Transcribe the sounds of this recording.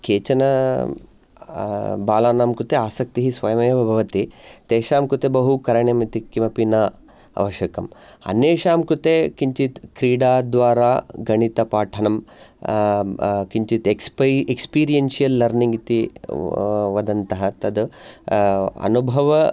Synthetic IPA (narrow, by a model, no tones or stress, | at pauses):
keːt͡ʃɐnɐ | baːlaːnaːmkɾut̪eaːsɐk̚t̪iɦisʋɐjɐmɐjɐʋɐbʱɐʋɐt̪it̪eːʃaːmkɾut̪ebɐɦukɐɾɐɳjemit̪ikimɐpinɐ | ɐ̰ʋɐʃjɐkɐmɐ̰neːʃaːmkɾut̪ekiɲt͡ʃit̪kɾiːɽaːd̪ʋaːɾaːɡɐɳit̪ɐpaːʈʰɐnɐm | kiɲt͡ʃit̪ekpekspiːɾijɐnsijɐlːɐɾniŋɡit̪i | ʋɐd̪ɐnt̪ɐɦɐt̪ɐd̪ | ɐ̰nubʱɐʋɐ